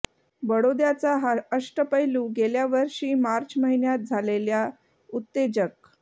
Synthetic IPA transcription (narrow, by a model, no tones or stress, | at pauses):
bəɽod̪jat͡saɦəʂʈəpəjlũɡeljaʋəɾʂiːmaɾt͡ɕməɦinjat̪̚d͡zʱalelja | ut̪ːed͡ʑək̚